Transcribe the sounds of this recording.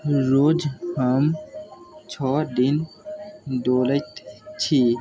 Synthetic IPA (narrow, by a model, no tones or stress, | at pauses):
ɾod͡ʒham | t͡ɕʰɔd̪in | d̪olət̪t͡ɕʰi